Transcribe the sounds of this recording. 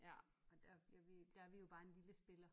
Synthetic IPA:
jæ̰ɒd̥æjæʋid̥ææɐʋijo̝b̥ɑ̈ːe̝nliləsb̥e̝lɐ

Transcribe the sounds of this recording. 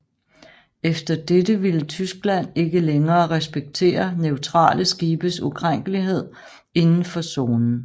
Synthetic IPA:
efd̥ɐd̥edəʋilət͡sʰysɡ̥læn̰e̝ɡ̥əleŋɐːʁɛsb̥eɡ̥̚t͡sʰe̝̰ːɐneʊt͡sʰʁɑ̰̈ːlʔəsɡ̥iːb̥əsukʰʁaŋ̰ɡ̥əliɦe̝ð̰ˠ | e̝nn̩fɒ̽so̝ːnn̩

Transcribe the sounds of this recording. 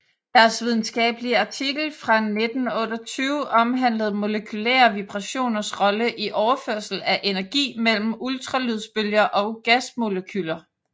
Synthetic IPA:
d̥æɐsʋið̞ˠn̩sɡ̥ɛ̰ːb̥əliɑ̈t͡sʰiɡ̥l̩fʁɑ̈ne̝d̥n̩ɔ̽ːd̥ɐt͡sʰyːʊʔɒ̽mɦæn̰ləð̞̩ˠmo̝ləkʰylæ̰ːɐʋib̥ʁɑ̈ɕo̝̰ːnɐsʁɒ̽ləʔiʔɒʊɐføɐ̰sl̩æʔe̝næɐɡ̥ḭːmel̰m̩ult͡sʰʁɑ̈lyð̞ˠsb̥øljɐʔɒ̽ɡ̥æsmo̝ləkʰylɐ

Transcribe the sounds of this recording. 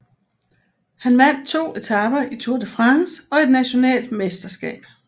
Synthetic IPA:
hænʋæn̰d̚t͡sʰo̝̰ːe̝t͡sʰɑ̈b̥ɐit͡sʰuɐd̥efʁɑŋsɒ̽e̝d̥næɕo̝nɛ̰ːld̥mesd̥ɐsɡ̥ɛ̰ːb̥

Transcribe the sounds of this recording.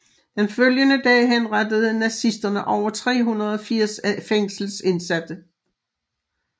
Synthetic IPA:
d̥enføljənəd̥ɛ̰ːɦenʁɑd̥əð̞̩ˠənæsisd̥ɐnəʔɒʊɐt͡sʰʁɛ̰ːɦunɐð̞̩ˠɒ̽fiɐ̰sfeŋ̰sl̩se̝nsæd̥ə

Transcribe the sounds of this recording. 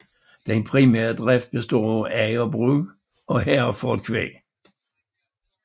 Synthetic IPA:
d̥enpʰʁimæɐ̰d̥ʁɛfd̥̚b̥esd̥ɔ̰ːɛɪɒbʁy | ɒ̽hæfɔd̥̚kʰʋḛː

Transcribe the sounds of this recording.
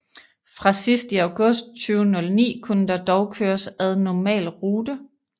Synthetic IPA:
fʁɑ̈sisd̥iæʊɡ̥ɔ̽sd̥̚t͡sʰyːʊnɔ̽lnḭːkʰunəd̥ɑ̈d̥ɒʊkʰøːɐsæðˠnɒmɛ̰ːlʁuːdə

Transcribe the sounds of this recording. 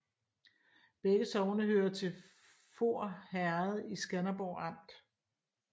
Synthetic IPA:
b̥eɡ̥əsɒʊnəhøːɐt͡sʰe̝l | fo̝ɐ̰hæɐð̩ˠisɡ̥ænɐb̥ɒʊɑ̈m̰d̥

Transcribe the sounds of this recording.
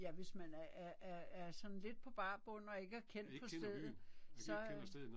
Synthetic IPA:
jæʋe̝smænæææɐsɒ̽n̩le̝d̥̚pʰɒ̽b̥ɑ̈ːb̥ɔ̽n̰ɒ̽e̝ɡ̥əæɐkʰen̰d̥̚pʰɒ̽sd̥eð̩ˠsɒ̽

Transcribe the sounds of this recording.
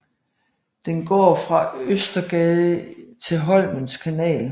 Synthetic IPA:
d̥enɡ̥ɒ̰ːfʁɑ̈øsd̥ɐɡ̥ɛːðˠət͡sʰe̝ɦɒ̽l̰mənskʰænɛ̰ːl

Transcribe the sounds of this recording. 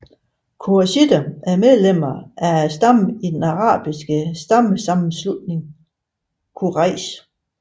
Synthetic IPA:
kʰuæɕid̥əʔæɐmeð̞ˠlem̰ɐʔææsd̥ɑm̰id̥enɑ̈ʁɑ̰̈ːb̥isɡ̥əsd̥ɑ̈məsɑ̈mn̩slud̥ne̝ŋ | kʰuʁɑɪs

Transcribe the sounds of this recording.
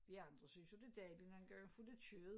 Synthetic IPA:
ʋiɑ̈nd̥ʁɐsynsjo̝d̥e̝d̥ɛːblinhænɡ̥ɶɐnfuld̥et͡sʰyð̩ˠ

